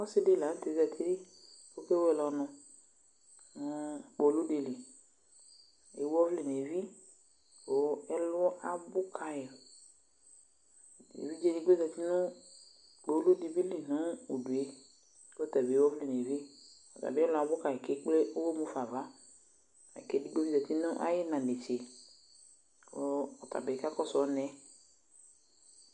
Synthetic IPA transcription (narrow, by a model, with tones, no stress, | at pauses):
ɔ˦se˦de˦˨la˨n̩˦t̪e˨˦za˧˨t̪ʰi˦ɾi˦wo˦ke˦wo˦ɛ˧˨lɔ˧nɔ̃˧ | nũ˦k͡po˨˦lu˦de˨li˨ | ḛ˨˦wɔ˦vli˨ne˨vi˦ | wo˦ɛ˦lʔa˨bʊ˦kʰa˨je˨ | ḛ˨vi˦d͡ʒe˦nĩ˦ɡ͡bo˦za˨t̪i˦nũ˦ | k͡po˨˦o˦lu˦di˨bi˦li˨nũ˨˦o˨du˨e˦ | ko˦t̪a˨be˨˦wɔ˦vli˨ne˨vi˦ | ɔ˨t̪a̰˨be˦ɛ˦lʊ˦a˨bʊ˦ka˨e˨ke˦k͡ple˦o˦wo˦mũ˦fa˨va˨˦ | a̰˨ke˦di˦ɡ͡bo˦vi˦zɛ˨t̪i˦nʊ̃˦ʔa̰˦je˦nã˨de˨t͡ʃe˨ | o˦ɔ˨t̪a̰˨be˨ka˦kɔ˦sɔ˨˦nɛ̃˦